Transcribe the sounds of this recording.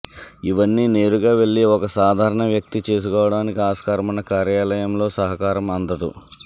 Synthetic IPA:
iʋɐnːiːneːɾuɡaːʋe̞ɭːiɔkɐsaːd̪ʱaːɾɐɳɐʋjɐk̚t̪it͡ʃe̞ːs̬ukɔːʋɐɽaːnikiaːskaːɾɐmɐnːɐkaːɾjaːlɐjɐmlo̞ːsɐɦɐkaːɾɐmɐnd̪ɐd̪ṵ

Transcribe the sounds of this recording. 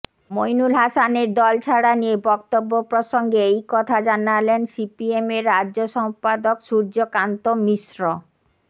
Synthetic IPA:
mojnulɦasaneɾd̪ɔlt͡ɕʰaɽanijebɔkt̪obːopɾoʃoŋɡeejkɔt̪ʰad͡ʑanalensipiemeɾːaʑoʃɔmpad̪okʃuɾd͡ʑokant̪omiʃɾo

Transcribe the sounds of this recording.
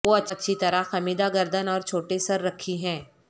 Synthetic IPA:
ʋoːɐtːʃɐtːʃʰit̪ɐɾaxɐmiːd̪aɡəɾd̪ənɔːɾt͡ʃʰoːʈesɐɾːɐkʰːiɦɛ̃ː

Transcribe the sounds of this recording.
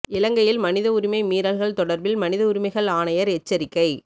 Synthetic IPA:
ɪlɐŋɡɐjɪlmɐnɪðɐʊɾɪmɐɪmiːɾɐlɣɐɭt̪ɔɽɐɾbɪlmɐnɪðɐʊɾɪmɐɪɣɐɭaːnɐjɐɾɛt͡ʃːɐɾɪkːɐɪ

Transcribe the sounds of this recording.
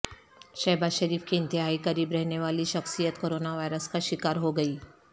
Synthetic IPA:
ʃɐːbaːzʃɐɾiːfkiɪ̃nt̪ɪɦaːikɐɾiːbɾɛɦneʋaːliʃɐxsijət̪koːɾoːnaʋaːɪɾəskaʃɪkaːɾɦoɡɐiː

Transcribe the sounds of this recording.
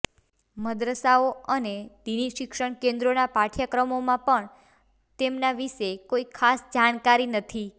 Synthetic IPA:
məd̪ɾəsaoəned̪iniʃɪkʃəɳ̃kẽnd̪ɾonapaʈʰjakɾəmomãpəɳ | t̪emnaʋiʃekoikʰasd͡ʒaɽ̃kaɾinət̪ʰi

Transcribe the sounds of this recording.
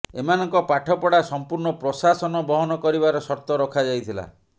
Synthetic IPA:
emanɔŋkɔpaʈʰɔpɔɽasɔmpuɾɳɔpɾɔsasɔnɔbɔɦɔnɔkɔɾibaɾɔsɔɾt̪ɔɾɔkʰad͡ʒajt̪ʰila̰

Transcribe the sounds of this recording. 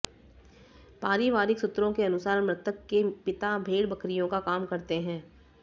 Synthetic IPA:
paːɾiʋaːɾɪksʊt̪ːɾõkeɐnʊsaːɾmɾɪt̪ʰəkːepɪt̪abʱeːɽbɐkɾijõkakaːmkɐɾt̪eɦɛ̃ː

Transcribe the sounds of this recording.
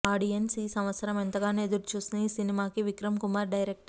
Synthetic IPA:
aːɖiensisɐ̃mʋɐt̪sɐɾɐment̪ɐɣaːned̪uɾt͡ʃusniːsinimaːkiʋɪkɾɐmkumaːɾɖɐjɾek̚ʈɐ

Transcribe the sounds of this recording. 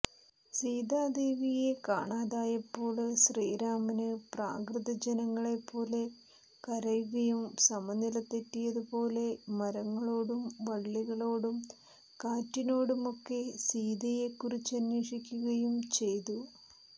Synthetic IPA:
siːd̪aːd̪eːʋijekaːɳaːðaːjɐpːo̞ːɭsriːɾaːmɐnɨpraːkrɨðɐd͡ʑenɐŋːɐɭe̞pːo̞ːle̞ | kɐɾɐjuɣɐjumsɐmɐnilɐt̪ːetːijɐðupo̞ːle̞mɐɾɐŋːɐɭo̞ːɽumʋɐɭːiɣɐɭo̞ːɽum | kaːtːino̞ːɽumo̞kːe̞siːd̪ɐje̞kːurit͡ɕːɐnːeːʂikʲːuɣɐjumt͡ɕe̞jt̪u

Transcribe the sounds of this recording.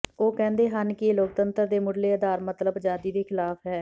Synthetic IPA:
oːkɛ̃ːnd̪eːɦənkɪloːk̚t̪ənt̪əɾd̪eːmʊɖleːəd̪aːɾmət̪ləbd͡ʒaːd̪iːd̪eːkʰɪlaːpɦɛː

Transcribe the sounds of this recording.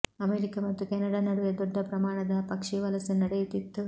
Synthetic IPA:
ɐmeːɾikɐmɐt̪ːukɛːnɐɽaːnɐɽuʋjɐd̪ɔɖːɐpɾɐmaːɳɐd̪ɐpɐkʂiʋɐlɐsɐnɐɽejut̪it̪ːu

